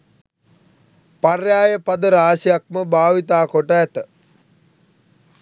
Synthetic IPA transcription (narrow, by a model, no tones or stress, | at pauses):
parjaːjəpad̪əɾaːʃijak̚məbʱaːʋit̪aːkoʈəɛt̪ə